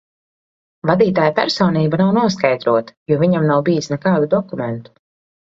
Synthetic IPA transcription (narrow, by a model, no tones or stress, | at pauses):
vad̪iːt̪aːjpæ̰ɾsɔːniːbanawnuɔskajd̪ɾuɔt̪ḁjuɔviɲamnawbijisnɛkaːd̪ud̪ɔkumɛnt̪u̥